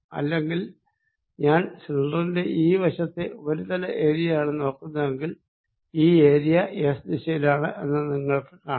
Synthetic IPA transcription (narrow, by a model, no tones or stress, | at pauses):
ɐ̰lːe̞ŋɡil | ɲaːnsilɖrɐinde̞ʔiːʋɐɕɐt̪ːeo̞ɾut̪ɐlɐʔe̞ːɾijɐjaːɳɨno̞ːkːunːɐðe̞ŋɡil | iːe̞ːɾijɐʔeːsd̪iɕɐjilaːɳɨʔe̞nːɨniŋːɐɭkɨkaː